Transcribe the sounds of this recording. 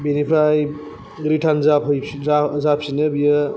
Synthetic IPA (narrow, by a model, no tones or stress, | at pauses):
binipʰɾaj | ɡɾiʈʰanzapɦɯjazap̚sinɯbijɯ